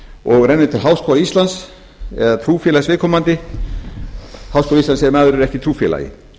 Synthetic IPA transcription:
ɔɣrɛnːʏt̪ʰɪlɦawskʰɔwlaist̪lans | ɛðat̪ʰɾuːfjɛlasvɪːkʰɔmant̪ɪ | hawskɔːlaist̪ansɛmaːðʏɾɛɾɛhcɪt̪ʰɾuːfjɛ̰la̰jɪ̰

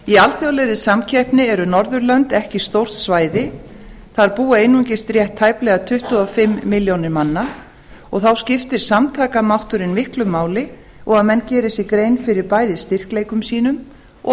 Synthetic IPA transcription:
ialθjowlɛðɪsamcʰɛhpnɪɛɾʏnɔɾðʏɾlœnt̪ɛhcɪ̥st̪owr̥t̪svaːjðɪ | θaɾpuːaejnuɲcɪst̪rjɛht̪ʰːaːjplɛɣat̪ʰʏht̪uɔfɪmːɪljownɪɾmanːa | ɔɣθawscɪft̪ɪɾ̥samt̪ʰaːkamawht̪ʏɾɪnmɪhklʏmːaːwlɪ | ɔɣaðmɛnːcɛːɾɪsikɾejnfɪɾɪɾpaːjðɪst̪ɪr̥klejkʏmsiːnʏm

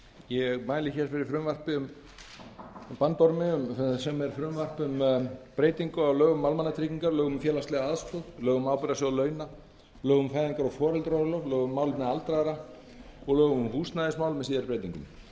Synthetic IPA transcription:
jɛɣmaːjlɪçɛɾ̥fɪɾɪɾfɾʏmvar̥pɪʏm | pant̪ɔɾmɪʏmsɛmɛɾ̥fɾʏmvar̥pʏmpɾeːjt̪iŋkʏawlœːɣʏmːawlmanːat̪ʰɾɪciŋkaɾlœːɣʏmfjɛːlast̪lɛɣaaðskɔðlœːɣʏmaːwpʏɾasɔɣlœːɥna | lœːɣʏmfajðiŋkaɾɔɣfɔːɾɛlt̪ɾɔɾʏlœvlœːɣʏmːaːwlʏnɛðalt̪ɾaðɾa | ɔɣlœːɣʏmʏmhuːsnaðɪsmawlmɛsiːðaɾpɾeːjt̪iŋkʏ̰m

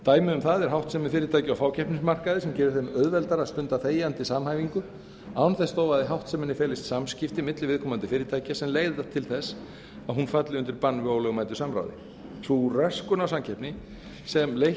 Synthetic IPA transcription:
t̪aːjmɪʏmθaðɛɾ̥ɦawht̪sɛmɪfɪːɾɪt̪ʰaːjcɪawfaːwcʰɛhpnɪnsmar̥kaðɪsɛmcɛːɾɪɾθejmœðvɛlt̪aɾast̪ʏnt̪aθeːjant̪ɪsamhaːjviŋkʏ | awnθɛst̪owvaðɪɦawht̪sɛmɛnːɪfɛːlɪst̪samscɪft̪ɪmɪt̪lɪvɪðkʰɔːmant̪ɪfɪːɾɪt̪ʰaːjcasɛmleːjðɪθat̪ʰɪlθɛs | aðɦunfat̪lɪʏnt̪ɪɾpanːvɪoːwlɛɣʏmaːjt̪ʏ̥samɾa̰wðɪ̰ | θurɛskʏnawsamcʰɛpnɪ | sɛmlej

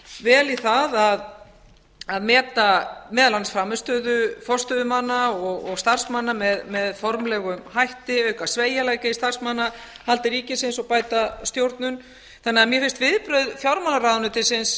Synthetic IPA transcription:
vɛːliθaðað | aðmɛːt̪amɛːðalansfɾamːɪst̪œːðʏfɔr̥st̪œðʏmanːaɔɣɔɣst̪ar̥smanːamɛðmɛðfɔɾmlɛɣʏmhajht̪ɪœɥkasveːjalaːjkaist̪ar̥smanːahalt̪ɪɾiːcɪsɪnsɔɣpaːjt̪ast̪jowɾt̪nʏn | θanːɛamjɛfɪ̥st̪vɪðpɾœɥðfjawɾmanːaɾaðnʏt̪ɪsɪns

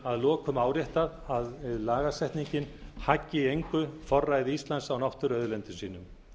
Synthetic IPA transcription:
aðlɔːkʰʏmaːwɾjɛht̪aðaðɪðlaːɣasɛht̪niɲcɪnhacːɪejŋkʏfɔrːajðɪist̪lansawnawht̪ʏɾœðʏlɛnt̪ʏnsiːnʏm

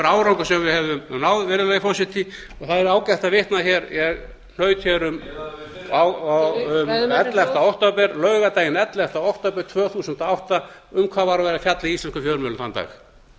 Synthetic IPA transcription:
ɾaːwɾawŋkʏsɛmvɪðhɛvʏmnaːwðvɛːɾɪlɛjfɔsɪt̪ɪ | ɔθaðɛɾaːwcɛht̪avɪht̪naçɛɾjɛɣ | n̥œːɥt̪çɛɾʏm | a | ʏmɛt̪lɛft̪aɔwht̪apɛɾlœːɥɣat̪aːjɪnɛt̪lɛft̪aɔwht̪apɛɾ̥t̪ʰvœːθuːsʏnt̪ɔawht̪aʏmkʰvaːðvaɾavɛːɾafjat̪laist̪ɛnskʏfjœːɾmʏlʏnθant̪a̰ːx

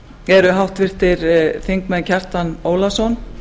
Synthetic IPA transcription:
ɛɾʏɦawht̪vɪr̥t̪ɪɾθiŋkmɛncʰɛr̥t̪anoːwlasɔn

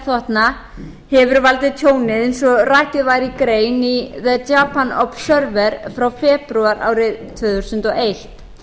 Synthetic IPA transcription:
θɔht̪na | hɛvʏɾvalt̪ɪðt̪ʰjoːwnɪðensɔraːhcɪðvajɾikɾeːjniðɛtaːpanɔpsœɾvɛɾfɾawfɛːpɾuaɾa̰ːwɾɪðt̪ʰvʏːθɾusʏnt̪ɔejht̪

